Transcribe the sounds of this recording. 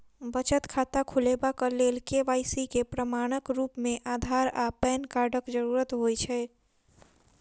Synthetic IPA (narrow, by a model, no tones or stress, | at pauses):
bət͡ʃət̪kʰat̪akʰulebakəlelkeʋajsikepɾəmaɽ̃əkɾupmeʔad̪ʱaɾapɛnkaɾɖəkd͡ʒəɾuɾət̪ɦojt͡ʃʰɛ